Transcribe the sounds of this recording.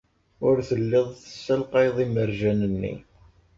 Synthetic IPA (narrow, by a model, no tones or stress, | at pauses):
ʊɾθəlːɪðˤθə̥sːəlqɑjðˤiməɾʒænənːḭ